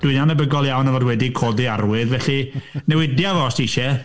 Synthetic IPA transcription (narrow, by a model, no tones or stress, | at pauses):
d̥wɪnanəbəɡɔlˠjawnəvɔdwɛdikʰoːdiarwɨðvɛɬinɛwɪdjavɔstiʃɛ